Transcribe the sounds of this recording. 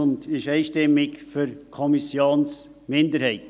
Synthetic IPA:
ʊndɪʃɛɪʃtɛmɪkfyɾkʰɔmisjoːns | mɪndəɾhɛɪt

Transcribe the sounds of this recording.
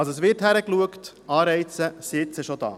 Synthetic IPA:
lsoəsʋɪɾthæɾəkluəkt | ɑːɾɛɪt͡səsɪtsəʃod̥̪ɑ̰ː

